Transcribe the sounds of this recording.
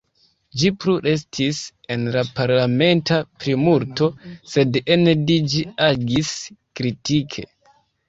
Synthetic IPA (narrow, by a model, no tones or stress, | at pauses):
d͡ʒipɾuɾe̞s̬tʰis | e̞nlapaɾlame̞ntapɾimuɾto̞se̞denedid͡ʒiaɡiskɾitikʰe̞̰